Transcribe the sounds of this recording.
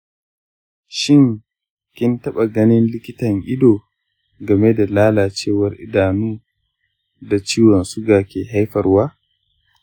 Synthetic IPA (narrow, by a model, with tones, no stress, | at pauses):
ʃɪ˦ŋ | kʲɪ˦ntɐ˦ɓa˨ɡɐ˦nɪ˦nlɪ˦kʲɪ˦tɐ˨ŋʔɪ˦doː˨ | ɡɐ˨me˦da˨laː˦laː˨t͡ʃeː˦wɐ˨ɾʔɪ̰˦daː˨nuː˦ | da˨t͡ʃiː˦wɐ˨nsʊ˦ɡaː˨kʲeː˨ɦa˦jɸɐ˨rwaː˦